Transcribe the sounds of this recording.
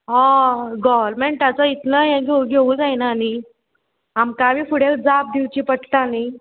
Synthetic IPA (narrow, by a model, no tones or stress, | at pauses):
ɦãɡɔʋəɾmeɳʈ̚t̪at͡sait̪ləjãɡeuɡʱeũd͡zajnaːni | ɦamkabʱiːkuɽ̤ekd͡zap̚d̪iwt͡ɕiːpəʈt̪aːni